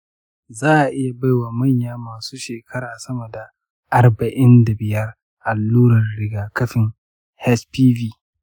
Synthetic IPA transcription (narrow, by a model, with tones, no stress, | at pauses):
zaː˦ʔa˨ʔɪ˦ja˨ba˦jwaː˨mɐ˦˨ɲjaː˦maː˨suː˦ʃeː˨kʰɐ˦ɾaː˨sɐ˦mɐ˨da˨ | ʔa˨rbɐ˨ʔɪ˦nda˨bɪ˨jɐ˦r | ʔa˨lːuː˦ɾɐ˨rɽɪ˦ɡaː˨kɐ˦ɸɪ˨ŋ | hɛ˦spiː˦viː˦